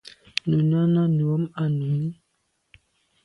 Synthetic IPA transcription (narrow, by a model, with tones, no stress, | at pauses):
nu˨na˦na˦nu˨a˦ma˦nu˨˦m